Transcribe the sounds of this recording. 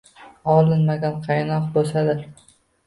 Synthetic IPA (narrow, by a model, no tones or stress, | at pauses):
ɒlˠɪnmaɡʲanqʰɑjnɒqbosad̪ɪ